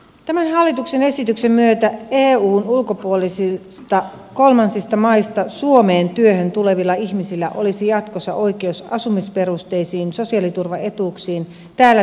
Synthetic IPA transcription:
t̪æmænɦɑlːit̪uksene̞sit̪yksemːyøt̪æeːuːnulko̞puolisist̪ɑ | ko̞lmɑnsist̪ɑmɑist̪ɑsuo̞meːnt̪yøhønt̪ule̞ʋilːɑiçmisilːæʔo̞̰lisijɑt̪kosːɑʔo̞ijke̞usɑsumispe̞ɾust̪e̞jsiːnso̞siɑlit̪urʋɑe̞t̪uksiːn | t̪æːlːæ

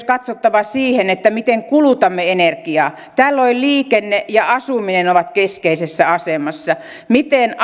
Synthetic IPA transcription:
kɑt̪sot̪ːɑʋɑsiːhenet̪ːæmit̪eŋkulut̪ɑmːeenerkiɑː | t̪æːlːolʲliːkenːejɑɑsuminenoʋɑt̪keskeisesːæɑsemɑsːɑ | mit̪en

